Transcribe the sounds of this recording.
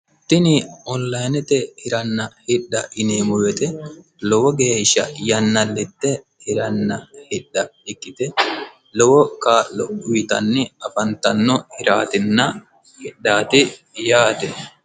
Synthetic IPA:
t̪ːɪnɪɔnlɐjnɛt̪ɛhɪɾɐnːɐhɪɗːɐʔɪneːmʊwɛt̪ɛ | lɔwɔɡe̞ːʃːɐ̰jɐnːɐlːɪt̪ːɛ | hɪɾɐnːɐhɪɗːɐɪkːɪt̪ɛ | lɔwɔkaːlːɔʊjɪt̪ɐ̰nːɪɐfɐnt̪ɐnːɔhɪɾa̰ːt̪ɪnːɐ | hɪɗːaːt̪ɪ | jaːt̪ɛ

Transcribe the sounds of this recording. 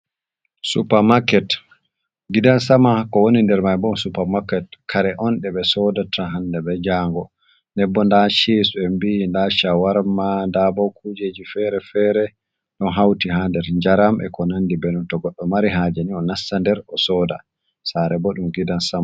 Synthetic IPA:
sṵpamakɛt | ɡidansamakɔwonindɛɾmajbɔnsupamakːɛt̚kʰaɾɛʔɔnɗɛɓɛsɔdatʰaɦandɛbɛd͡ʒaːŋɡɔ | nɛbːɔndaʃesuɛmbindaʃawaɾmandabɔwkʰud͡ʒed͡ʒifɛɾɛfɛɾɛ | ɗɔnɦawtiɦandɛɾɲd͡ʒaɾamʔɛ̰kɔnandibɛnuntɔɡɔɗːɔmaɾiɦaːd͡ʒaniɔnasːandɛɾɔsɔda̰ | saɾɛbɔɗumɡidansama

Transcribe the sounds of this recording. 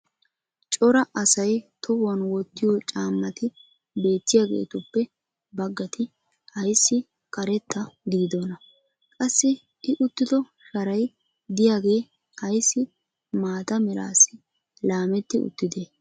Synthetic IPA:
t͡ʃʼɔɾɐʔɐsɐjt̪ʰɔbɐnwɔt̪ːɪjɔt͡ʃʼaːmːɐt̪ɪ | be̞ːt̪ːɪjaːɡḛːt̪ʊpːɛ | bɐɡːɐt̪ʰɪ | hɐjsːɪ | kʼɐɾɛt̪ːɐd̪iːd̪onɐ | kʼɐsːɪ | ʔɪʔʊt̪ːɪd̪ɔ | ʃɐɾɐj | d̪ɪjaːɡe̞ː | hɐjsːɪ | maːt̪ɐmɛɾa̰ːsɪ | laːmɛt̪ːɪʊ̰t̪ːɪd̪eː

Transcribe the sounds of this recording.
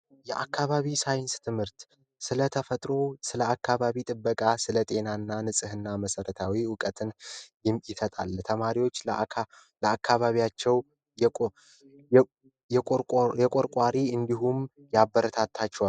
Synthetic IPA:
jɛʔa̰kːaβaβisajnst̪ʰɨmhɨɾt̪ | sɨlət̪ʰəfət̪ʼɾo̞sɨləakːaβaβit̪ʼɨbːəkʼasɨlət̪ʼe̞nanːanɨsʼɨhɨnːaməsəɾət̪ʰawiwʊkʼət̪ʰɨnjɪmjɪsət̪ʼa̰lt̪ʰəmaɾiwo̞t͡ʃː | ləakʰːaβaβijat͡ʃːɛw | jʼ | jɛjɛkʼoɾkʼwaɾiɨnd̪iɦum | jabːəɾət̪ʰat̪ʰːat͡ʃːɛwa

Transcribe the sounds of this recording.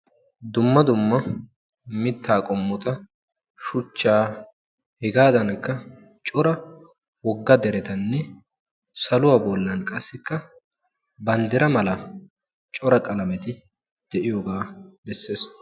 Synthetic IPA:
d̪ʊmːɐd̪ʊmːɐ | mɪt̪ːaːkʼɔmːɔt̪ɐ | ʃʊt͡ʃːaː | hɛɡaːd̪ɐnkːɐ | t͡ʃʼɔɾɐ | wɔɡːɐd̪ɛɾɛt̪ɐnːɛ | sɐlʊwaːbɔlːɐnkʼɐsːɪkːɐ | bɐnd̪ɛɾɐmɐlɐ | t͡ʃʼɔɾɐkʼɐlɐmɛt̪ɪ | d̪̥ɛʔɪjɔɡaːd̪ɛsːeːs

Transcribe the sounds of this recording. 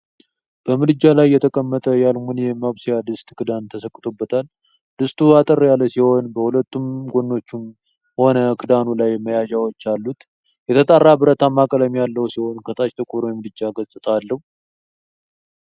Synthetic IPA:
b̥əmɨd̪ɨd͡ʒːalajːɛt̪ʰəkʼəmːət̪ʼəjalmunjɛmaβsijad̪ɨst̪ʼkʰɨd̪ant̪ʰəsəkʼːɨt̪ʰʼobːət̪ʰal | d̪̥ɨst̪uat̪ʼərjalːəsiho̞nbəhulət̪ʰːumɡonːo̞t͡ʃːum | ho̞nəkʰɨd̪anulajmːəjad͡ʒawot͡ʃːalːut̪ | jɛt̪ʰət̪ʼarːabɨɾət̪ʰamːakʼələmijalːəwsiho̞nkʰət̪ʰʼat͡ʃt̪ʼɨkʼuɾojɛmɨd̪ɨd͡ʒːaɡəsʼɨt̪ʰalːəhu

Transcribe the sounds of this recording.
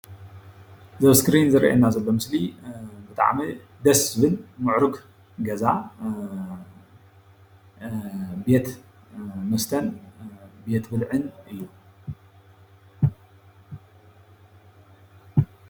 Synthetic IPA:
zɐβskɾinzɨɾʔa̰nːazɐlːo̞mɨslibɨt̪ʼa̰ʕmi | d̪ɐsbɨnmɨʕɾɨk | ɡɐza | be̞t̪ | mɐst̪ʰɐn | be̞t̪bɨlʕɨnɨju

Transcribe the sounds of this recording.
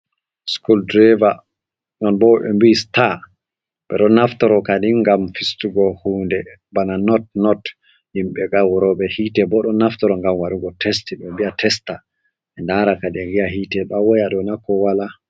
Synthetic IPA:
skuldɾɛva | nɔnbɔɓɛ̰mbista | ɓɛ̰ɗɔnːaftɔɾɔkadiŋɡamfistuɡɔhuːndɛbananɔt̚nɔt | himɓɛɡawɾɔɓɛhitɛbɔɗɔnaftɔɾɔŋɡamwaɗuɡɔtʰɛstiɓɛmbiatʰɛsta | ɛndaɾakadiaɡiahiːtɛɓawɔjaɗɔnakɔwala

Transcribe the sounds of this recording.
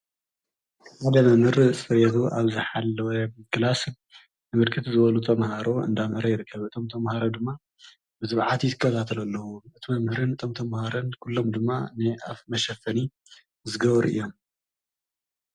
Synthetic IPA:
ħad̪ɐmɐmhɨɾɨsʼfɨɾet̪ʰuʔaβzɨħalːɐwɐkɨlas | nɨmɨɾkʰɨt̪zɨβɐlut̪ʰɐmhaɾoɨ̰nd̪amhɨɾɐjɪɾɨkʰːɐβɨt̪ʰo̞mt̪ʰɐmhaɾod̪ɨmːa | bɨzɨβʕat̪ʰizɨkʼːɐt̪ʰat̪ʰɐlɐlːɐwuɨt̪ʰimɐmhɨɾɨnɨt̪ʰo̞mt̪ʰɐmhaɾɐnkʰulːo̞md̪ɨmːa̰nɨʔa̰fmɐʃɐfːɐni | zɨɡɐβɾʔɨ̰jːo̞m

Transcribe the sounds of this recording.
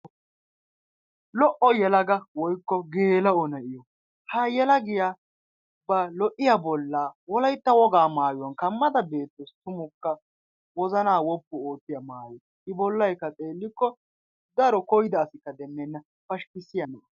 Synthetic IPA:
lɔʔɔjɛlɐɡɐwɔjkːɔɡeːlɐɔnɐʔɪjɔ | hɐjɛlɐɡɪja | bɐlɔʔɪjabɔlːaːwɔlɐjt̪ːɐwɔɡaːmaːjʊwɔnkɐmːɐd̪ɐbe̞ːt̪ːɔst̪ʊmʊkːɐ | wɔzɐnaːwɔpːʊo̞ːt̪ːɪjɐmaːjɔ | ʔɪbɔlːɐjkːɐt͡sʼe̞ːlːɪkːɔ | d̪ɐɾɔkɔjɪd̪ɐːsɪkːɐd̪ɛmːɛnːɐ | fɐʃkɪsɪjɐnɐʔ

